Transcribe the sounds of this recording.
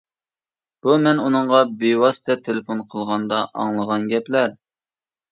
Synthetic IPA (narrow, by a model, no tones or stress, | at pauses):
b̥umɛnunɨɴʁɑbewɑsɨ̥t̪ʰɛt̪ʰelefonqʰəlˠʁɑnd̪ɑʔɑ̰ŋlˠəʁɑnɡʲɛplæɾ